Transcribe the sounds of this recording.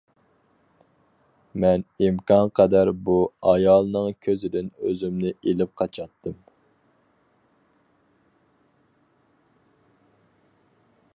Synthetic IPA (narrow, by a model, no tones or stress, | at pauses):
mɛnimkɑnqʰɛd̪æɾbuɑjɑlˠnɨŋkʲʰøzɪd̪ɪnøzymnɪelɪp̚qʰɑt͡ʃʰɑt̪ːɨm